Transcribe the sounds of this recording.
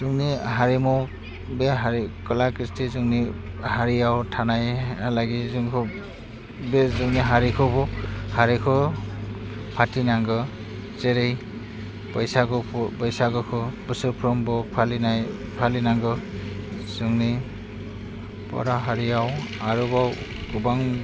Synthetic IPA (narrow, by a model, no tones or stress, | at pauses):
z̥uŋniɦaɾimɔ | beɦaɾikɔlakɾistizuŋni | haɾijawtʰanajalaɡizuŋkʰo | bezɯŋniɦaɾikʰɔbɔhaɾikʰɯ | pʰatinaŋɡɯ | t͡ʃeɾej | pɔjsakɔpɔjsaɡɔkʰɯbɯsɯpʰɾɔmbɔpʰalina | pʰalinaŋɡɯ | zɯŋni | pɔ̰ɾaɦaɾijawaɾubaw | ɡubaŋ